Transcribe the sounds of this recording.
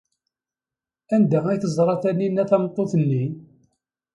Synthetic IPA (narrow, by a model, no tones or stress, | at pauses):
ænd̪ææjθəzˤɾˤɑθæninːæθæmt̪ˤːoθənːi